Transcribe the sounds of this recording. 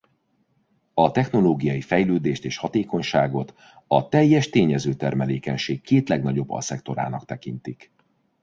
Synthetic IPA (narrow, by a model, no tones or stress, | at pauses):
ɒt̪ɛxno̞loːɡijɒjifɛjløːd̪eːʃt̪eːʃhɒt̪eːko̞ɲʃaːɡo̞t̪ | ɒt̪ɛjːɛʃt̪eːɲɛzøːt̪ɛrmɛleːkɛɲʃeːkːeːt̪lɛɡnɒɟo̞bːɒ̰sɛkt̪o̞ɾa̰ːnɒkt̪ɛkint̪ik